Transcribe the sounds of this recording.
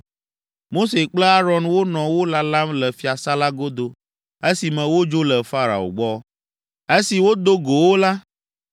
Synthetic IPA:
mo˦se˨k͡plə˦a˦ɾɔ˦nwo˦nɔ̃˨wo˦la˦la˦mlə˨fi˦a˨sa˦la˦ɡo˦d̪o˨ | e˦si˨mɛ̃˨wo˦d͡ʒo˦lə˨fa˦ɾa̰˨o̰˨ɡ͡bɔ˦ | e˦si˨wo˦d̪o˦ɡo˨wo˦la˦

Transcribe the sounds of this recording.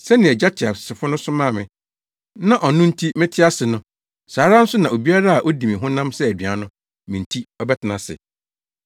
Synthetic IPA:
sɛ˦nɪ̃˨ɛ˨d͡ʑa˦t͡ɕʰɪ˨a˨sɪ˨fʊ˦nʊ̃˦sʊ˦mãː˦˨mɪ̃˨ | nã˦ʔɔ˨nʊ̃˦n̩˦tʰi˦mɪ̃˦tʰɪ˦a˦sɪ˨nʊ̃˦ | saː˨ɾa˦n̩˦sʊ˦nã˨o˨bi˦a˦ɾa˦a˨ʔo˦dĩ˨mĩ˨ɦʊ̃˦nã˦msɛ˦æ˨di˨a˨˦nʊ̃˦ | mĩ˨n̩˨tʰi˦ɔ˦bɛ˦tʰɪ˨nã˨sɪ̰˨

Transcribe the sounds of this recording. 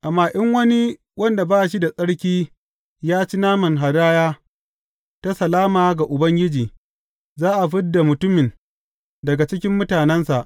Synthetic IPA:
ʔa˨mːaː˦ʔɪ˦ŋwɐ˦ni˦ | wɐ˦nda˨baː˦ʔʃi˦da˨sʼɐ˦ɽkʲiː˦ | jaː˦t͡ʃi˦naː˦mɐ˨ŋɦa˨daː˦jaː˦ | ta˦sɐ˨laː˦maː˨ɡa˨ʔʊ˨bɐ˦ŋɡʲɪ˦d͡ʒiː˨ | zaː˦ʔa˨ɸɪ˦dːa˨mʊ˨tʊ˦mɪ˨n | dɐ˨ɡa˨t͡ʃɪ˦kʲɪ˦mːʊ˦taː˨nɛ˦nsa˨ʔ

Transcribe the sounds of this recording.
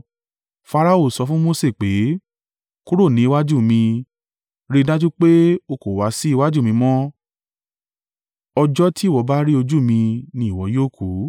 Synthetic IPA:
fa˧ɾa˧o˦˨sɔ˨˧fũ˦mo˦se˦˨k͡pe˨˦ | ku˦ɾo˦˨nĩ˨˦i˧wa˦d͡ʒu˦˨mĩ˧ | ɾi˧˦da˦d͡ʒu˦k͡pe˦o˧˨ko˨wa˨˦si˦i˧wa˦d͡ʒu˦˨mĩ˧mɔ̃˦ | ɔ˧d͡ʒɔ˦tʰi˦˨wɔ˨˦ba˦ɾi˦o˧d͡ʒu˦˨mĩ˧nĩ˧˦i˨wɔ˨˦joː˦˨kʰu˨˦

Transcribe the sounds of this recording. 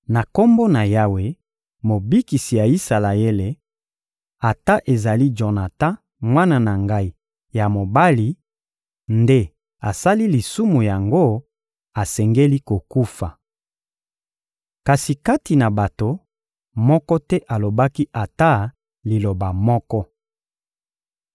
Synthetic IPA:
na˨ko˦mbo˦na˨ja˦we˨˦ | mo˨bi˦ki˨si˨ja˨i˦sa˨la˨e˦le˨ | a˨ta˦ʔe˨za˨li˦d͡ʒo˨na˨tã˦ | mwa˦na˦na˨ŋɡa˦i˦ | ja˨mo˨ba˦li˨ | nde˦ | a˨sa˦li˦li˨su˦mu˨ja˨ŋɡo˦ | a˨sɛ˨ŋɡe˦li˦ko˨ku˦fa˨ | ka˨si˨ka˦ti˨na˨ba˨to˨ | mɔ˦kɔ˦tɛ˦ʔa˨lo˨ba˦ki˦ʔa˨ta˦ | li˨lo˨ba˨mɔ˦kɔ˦

